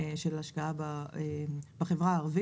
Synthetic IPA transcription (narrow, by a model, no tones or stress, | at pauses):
ʃelaʃkaabaebaχevʁaːʁvi